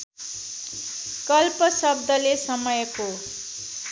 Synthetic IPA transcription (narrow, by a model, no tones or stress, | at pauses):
kʌlpʌsʌb̚d̪ʌlesʌmʌjʌko